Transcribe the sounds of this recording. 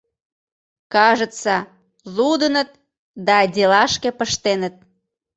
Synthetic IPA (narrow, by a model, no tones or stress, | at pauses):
kɑʒə̆t͡sɑ | lud̪ənət̪̚ | d̪ɑdʲelɑʃkepəʃt̪enət̪̚